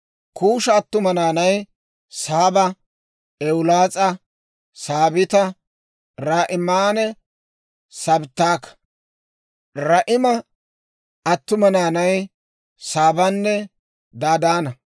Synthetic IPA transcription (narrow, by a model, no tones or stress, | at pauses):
kʰuːʃɐːt̪ːʊmɐnaːnɐj | saːbɐ | ɛwʊlaːt͡sʼɐ | saːbɪt̪ɐ | ɾaːʔɪmaːnɛ | sɐbt̪ːaːkːɐ̥ | ɾɐʔɪmɐ | ɐt̪ːʊmɐnaːnɐj | saːbɐnːɛ | d̪aːd̪aːnɐ